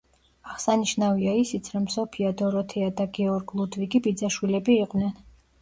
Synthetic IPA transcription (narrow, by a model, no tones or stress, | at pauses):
aʁsaniʃnaviaisit̪sʰɾɔmsɔpʰiad̪ɔɾɔt̪ʰɛad̪aɡɛɔɾɡlˠud̪viɡibid̪zaʃwilɛbiːqʼvnɛn